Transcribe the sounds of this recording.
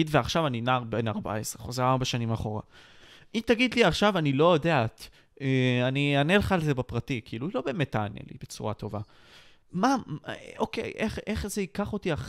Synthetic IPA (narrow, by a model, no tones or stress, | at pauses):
idveaχʃavaninaʁbe̞naʁba̰esʁeχozeʁaʁbaʃanimaχo̞ʁa̰ | it̪aɡid̪liaχʃavanilojodeat̪ | eanianelχalzebepʁatikiiluilo̞bemetaːnḛlḭb̥e̞t͡suʁato̞va | mao̞kḛjʔeχeχzeikaχo̞tiaχ